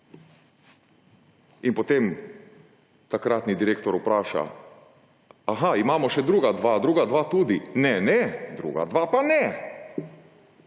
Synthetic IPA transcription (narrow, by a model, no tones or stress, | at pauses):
inpot̪em | t̪akɾat̪nid̪iɾeːkt̪ɔɾupɾaːʃa̰ | aɦaimaːmɔʃɛd̪ɾuːɡad̪ʋad̪ɾuːɡad̪ʋat̪uːd̪inɛnɛd̪ɾṵːɡa̰d̪ʋapanɛ